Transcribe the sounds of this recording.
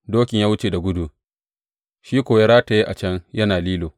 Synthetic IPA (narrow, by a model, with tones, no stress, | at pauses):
doː˦kʲɪ˨jaː˦wʊ˦t͡ʃeː˨da˨ɡʷʊ˦du˨ | ʃiː˦kʷoː˨ja˦ɾaː˦ta˨ji˦ʔa˨t͡ʃɐ˦ŋjɐ˦naː˨liː˦loː˨